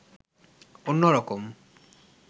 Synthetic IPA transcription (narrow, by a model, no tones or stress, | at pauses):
onːoɾɔkom